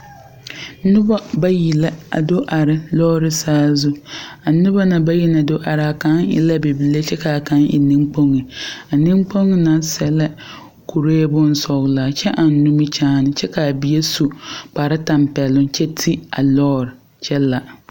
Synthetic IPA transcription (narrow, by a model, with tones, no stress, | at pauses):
nʊ˦ba˦ba˦ji˨la˦a̰˨do˦ʔa˨ɾɪ˨lɔː˦ɾɪ˦saː˦zʊ˦a˨nʊ˦ba˦na˨ba˦ji˦na˨do˦ʔa˨ɾɪ˨a˨ka˦ŋɪ̰˨la˦be˨bi˨le˦t͡ʃɛ˦ka˨ka˨˦nʔɪ̰˨nɪ̃˦ŋk͡po˦ŋɪ˨a˨nɪ˦mk͡po˦ŋɪ˦na˨˦sɛ˦la˦ | kʰu˨ɾe˦bʊ˦n˦sɔ˨ɣla˨t͡ʃɛ˦ʔa˨n˦nu˦mɪ˦t͡ʃaː˦nɪ˨t͡ʃɛ˦ka˨bi˨je˦su˨k͡pa˨ɾa˦ta˨mpɛ˨lʊ˦nt͡ʃɛ˦tʰi˦a̰˨lɔː˦ɾɪ˨ | t͡ʃɛ˦la˨